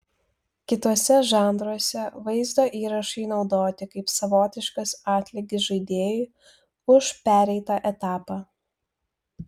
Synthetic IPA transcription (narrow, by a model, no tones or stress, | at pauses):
kʲɪt̪oɔsʲɛʒɑˑnd̪ɾuɔsʲɛʋɐɪzd̪oːʔiːɾɐʃɐɪnɒʊd̪oːt̪ʲɪkɐɪpsɐʋoːt̪ʲɪʃkɐsɑːt̪ʲlʲɪɡʲɪsʒɐɪd̪ʲeːjʊ | ʊʃpʲæːɾʲɛɪt̪ɑʔɛt̪ɑːpɑː